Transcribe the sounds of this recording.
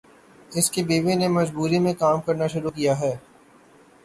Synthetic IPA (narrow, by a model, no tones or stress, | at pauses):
ɪskebeːʋenemɐzbuːɾimẽkaːmkɐɾnaʃʊɾukijaɦɛː